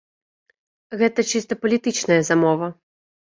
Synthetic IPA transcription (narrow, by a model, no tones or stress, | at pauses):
ɣɛt̪ɐt͡ʃist̪ɐpɐlʲit̪ɨt͡ʃnɐjɐzamɔvɐ